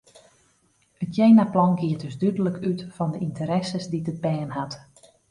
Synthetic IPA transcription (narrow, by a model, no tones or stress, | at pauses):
ətjejnaplɔŋɡɪət̚dɵsdydələkʰytfɔndəʔintəɾɛsəsditət̚bɛːnhat